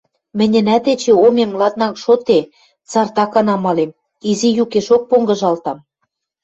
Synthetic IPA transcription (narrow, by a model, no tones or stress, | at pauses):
mɘ̆nʲɘ̆næt̪et͡ɕĕomemlɑt̪̚nɑkʃot̪e | t͡sɑrt̪ɑkɑnɑmɑlem | izijukeʃok̚poŋɡɤ̆ʒɑlt̪ɑm